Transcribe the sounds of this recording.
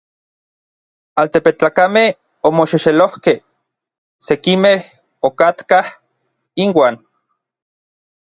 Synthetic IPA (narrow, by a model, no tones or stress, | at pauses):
alt̪epet͡ɬaːkameh | omoʃiʃelohkeh | sekimeh | okat̪kah | inwaːn